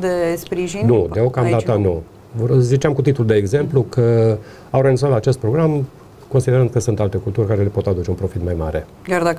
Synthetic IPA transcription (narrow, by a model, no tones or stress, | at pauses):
d̪espɾiʒinud̪eo̞kamd̪at̪ənu | vzit͡ʃeamkut̪it̪uld̪eːɡze̞mplukʰə | awɾenit̪zat̪laːt͡ʃe̞st̪pɾo̞ɡɾam | ko̞nsid̪eɾənd̪kəsɨnt̪alt̪e̞kult̪urʲkaɾe̞le̞po̞t̪ad̪ut͡ʃe̞unpɾo̞fit̪majma̰ɾe̞̰ | kʲjard̪ak